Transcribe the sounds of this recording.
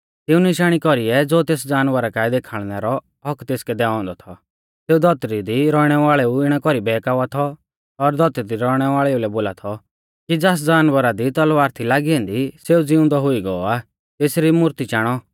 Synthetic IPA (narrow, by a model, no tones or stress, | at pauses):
t̪ɪũnɪʃaːɽ̃ikɔɾiɛd͡zoːt̪eːsd͡zaːnʋəɾakaːid̪eːkʰaɭ̃nɛɾɔ | ɦɔkt̪eːskɛd̪ɛːɔ̃nd̪ɔt̪ʰɔ | seːud̪ɔt̪ɾid̪iɾɔːɽ̃ɛʋaːɭɛuɪɽ̃ɛkɔɾibɛːkaːʋat̪ʰɔː | ɾd̪ʱɔt̪ɾid̪iɾɔɽ̃ɛʋaːɭɛulɛboːlat̪ʰɔ | kid͡zas̬d͡zaːnʋəɾad̪it̪ɔlʋaːɾt̪ʰilaːɡiɛ̃ːnd̪iseːud͡zɪʊ̃nd̪ɔɦʊiɡɔɔa | t̪eːsɾimʊɾt̪it͡ʃaːɽ̃ɔ